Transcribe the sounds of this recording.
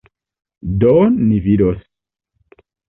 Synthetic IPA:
donːividos

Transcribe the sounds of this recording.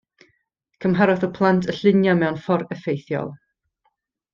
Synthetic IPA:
kʰəmɦaɾɔθɔpʰlˠantʰəɬɪnjamɛwnfɔɾəfejθjɔ̰lˠ

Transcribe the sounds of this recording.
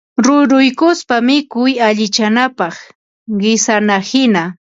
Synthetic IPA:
ɾʊɾʊjkʊspamɪkʊjaʎɪt͡ʃanapɑχ | ɢɪsanahɪna

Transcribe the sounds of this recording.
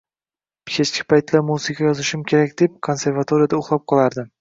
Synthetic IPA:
kʲʰet͡ʃkʲʰɪ̥pʰajt̪lamusɪkʰʲajɒzɪʃɪmkʲʰe̞ɾakʲd̪e̞p̚kʰo̞nse̞ɾvat̪ʰo̞ɾijad̪aʊχlˠap̚qʰɒlˠaɾd̪ɪm

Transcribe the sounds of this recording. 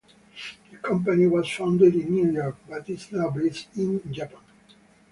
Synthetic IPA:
d̪əkʰʌ̃mpaniwɔz̥fãʊ̃ndɪdĩnːjujɔɹk̚bat̪iznaʊbesɪ̃nd͡ʒapãn

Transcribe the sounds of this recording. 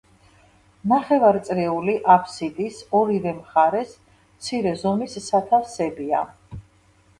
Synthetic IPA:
naχɛvaɾt̪sʼɾɛuliʔapʰsit̪ʼisɔɾivɛmχaɾɛs | t̪sʰiɾɛzɔmisːat̪ʰalsɛbia̰

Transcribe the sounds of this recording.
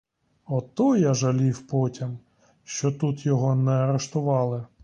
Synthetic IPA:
ɔt̪ɔjaʒɐlʲiwpɔtʲim | ʃt͡ʃɔt̪ut̪jɔɦɔnɛɐɾeʃt̪ʊʋɑlˠɪ

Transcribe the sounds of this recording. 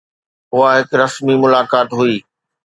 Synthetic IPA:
ʊɦaɦɪkɾɐsmimʊlaːkaːt̪ɦʊiː

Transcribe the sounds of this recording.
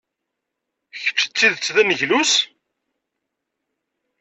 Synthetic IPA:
çə̥t͡sːə̥t͡sːiðt͡sːðænəʝlus

